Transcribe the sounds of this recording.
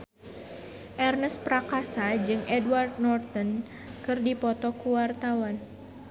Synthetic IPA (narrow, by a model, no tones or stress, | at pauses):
ʔɛrnəspɾakasad͡ʒɨŋʔɛdwart̪̚nɔrt̪ɔn | kɨrdipɔt̪ɔkuwart̪awan